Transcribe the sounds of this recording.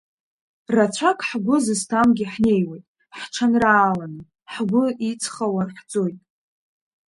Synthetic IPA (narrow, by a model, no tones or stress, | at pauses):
rat͡sʷʰakʰʼħɡʷʊzɨstʰamɡʲɪħne̞jwejtʼ | ħʈ͡ʂʰanraːlanɨ | ħɡʷʊit͡sʰχawarħd͡zʼojtʼ